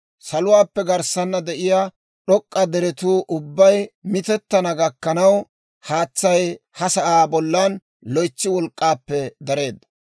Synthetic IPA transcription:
sɐlʊwaːpːɛɡɐɾsɐnːɐd̪ɛʔɪjaː | ɗɔkʼːɐd̪ɛɾɛt̪uːʔʊbːɐjmɪt̪ɛt̪ːɐnɐɡɐkːɐnɐw | haːt͡sːɐj | hɐsɐʔaːbɔlːɐn | lɔjt͡ʃːɪwɔlkʼːaːpːɛd̪ɐɾe̞ːd̪ːɐ̥

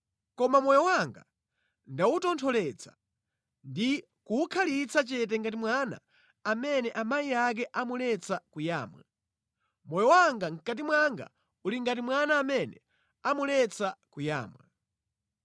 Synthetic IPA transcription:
kɔmamɔjɔwaŋɡa | ndautɔntʰɔlɛt͡sʰḁ | ndi | kuːkʰalit͡sʰat͡ʃɛt̬ɛŋɡat̬imwana̰ː | mɛnɛʔamaiak̬ɛʔamulɛt͡sʰakuja̰ːmwa̰ | mɔjɔwaŋɡaŋ̩kat̬imwaŋɡa̰ | uliŋɡat̬imwanaːmɛnɛ̰ | amulɛt͡sʰakuja̰ːmwa̰

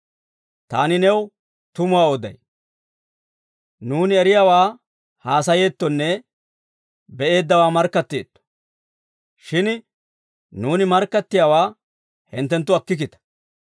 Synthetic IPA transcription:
t̪aːnɪnɛw | t̪ʊmʊwaːɔd̪ɐ̰j | nuːnɪɛɾɪjaːwaː | haːsɐje̞ːt̪ːɔnːɛ | bɛe̞ːd̪ːɐwaːmɐɾkːɐt̪ːeːt̪ːɔ̥ | ʃɪn | nuːnɪmɐɾkːɐt̪ːɪjaːwaː | hɪ̰nt̪ːɛnt̪ːʊɐkːɪk̬ɪt̪ɐ̥

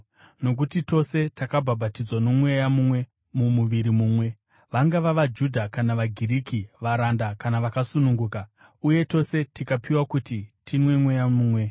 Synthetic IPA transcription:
no̞k̬utito̞se̞takabʱabʱatid͡zwano̞mwe̞jamumwe̞ | mumuʋiɾimuːmwe̞ | ʋaŋɡaʋaʋad͡ʒudʱakanaʋaɡʱiɾikiʋaɾandakanaʋakasunuŋɡuːka | uje̞to̞se̞tikapiwakutitʰinwe̞mwe̞jamuːmwe̞

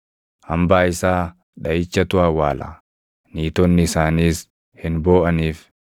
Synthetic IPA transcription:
hɐmbaːɪsaː | ᶑɐjɪt͡ʃːɐt̪ʊaːwaːla̰ | niːt̪ɔnːɪɪsaːniːs | hɪnbo̞ːʔɐniːf

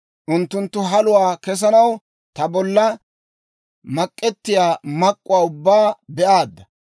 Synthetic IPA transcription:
ʔʊnt̪ːʊnt̪ːʊɦɐlʊwaːkɛs̬ɐnɐw | t̪ɐbɔlːɐ | mɐkʼːɛt̪ːɪjaːmɐkʼːʊwaːʊbːaːbɛʔaːd̪ːɐ

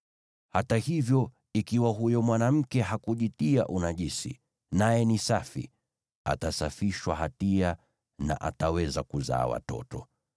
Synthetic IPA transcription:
hatahivjɔ | ikiwaɦujɔmwanam̩kɛɦakuʄitia̰ʔunaʄisḭ | najɛnisafḭ | a̰tasafiʃwaɦatia | na̰ʔatawɛzakuza̰ːwa̰tɔ̰tɔ

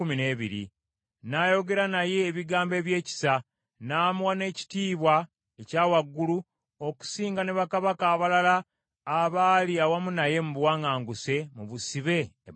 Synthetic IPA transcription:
umine̞ːβiɾḭ | naːjo̞ɡe̞ɾanaje̞ːβiɡaːmbe̞ːβje̞ːci̥sa | naːmuwane̞ːci̥tiːβwa | ecaːwaɡːulu | o̞ku̥siːŋɡaneβakaβakaːβalalaː | βaːliawamunaje̞muβwaːŋaːŋɡuse̞muβusiβe̞ː

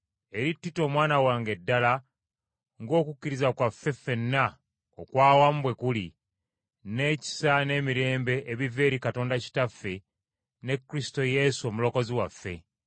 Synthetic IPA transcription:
e̞ɾitːito̞ːmwaːnawaːŋɡe̞dːala | ŋɡo̞ːkucːiɾizakwafːe̞fe̞nːa | o̰kwaːwambwe̞kuli | ne̞ːci̥sane̞ːmiɾe̞ːmbe̞ʔːβive̞ːɾikato̞ːndaci̥tafːe̞ | ne̞kːɾisto̞je̞suo̞mulo̞ko̞ziwafːe̞̰

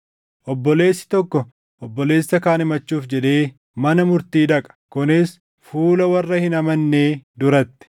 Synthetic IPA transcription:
ʔɔbːɔle̞ːsːɪ̥t̪ɔkːɔ | ʔɔbːɔle̞ːsːɐkaːnɪmɐt͡ʃːuːfd͡ʒɛᶑ̪e̞ː | mɐnɐmʊɾt̪iːd̪ɐkʼɐ̥kʊnɪs | fuːlɐwɐrːɐhɪnɐmɐnːeːd̪ʊɾɐt̪ːɪ̥

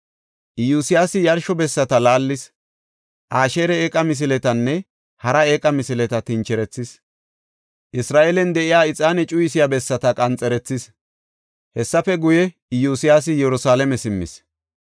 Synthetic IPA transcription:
ʔɪjuːsɪjaːsɪjɐɾʃɔbɛsːɐt̪ɐlaːlːɪs | ʔaːʃeːɾɛeːkʼɐmɪs̬ɪlɛt̪ɐnːɛ | hɐɾɐeːkʼɐmɪsɪlɛt̪ɐt̪ɪnt͡ʃːɛɾɛt͡sːɪs | ʔɪsɾaːʔɛlɛnd̪ɛʔɪjaːɪt͡sʼːaːnɛt͡ʃʼʊjɪsɪjabɛsːɐt̪ɐkʼɐnt͡sʼɛɾɛt͡sːɪs | hɛsːɐfɛɡʊjɛ | ɪjuːsɪjaːs̬ɪjɛɾʊsaːlɛmɛsɪmːɪ̰s

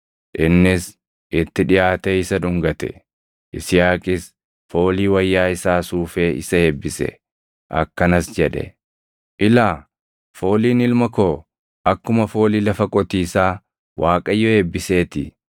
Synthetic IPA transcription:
ʔɪnːɪs | ʔɪt̪ːɪᶑɪjaːt̪ɛɪsɐᶑʊŋɡɐt̪ɛ̰ | ʔɪsɪjaːkʼɪs | fo̞ːliːwɐjːaːɪsaːsuːfeːʔɪsɐheːbːɪsɛ̰ | ʔɐ̰kːɐnɐsd͡ʒɛᶑɛ̰ | ʔɪlaː | fo̞ːliːnɪlmɐko̞ː | ʔɐkːʊmɐfo̞ːliːlɐfɐkʼɔt̪iːsaː | wʔaːkʼɐjːɔheːbːɪse̞ːt̪ɪ

